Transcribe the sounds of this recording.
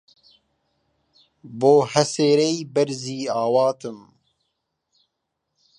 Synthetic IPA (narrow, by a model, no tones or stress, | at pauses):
boːhɛseːɾɛjbɛɾziːaːwɑːt̪ɨm